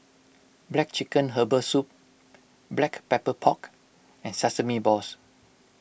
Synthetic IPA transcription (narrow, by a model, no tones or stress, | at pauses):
blɛk̚t͡ʃikə̃nɦəbəsup̚ | blɛkpɛpəpʰɔk | ɛ̃nsasəmibɔs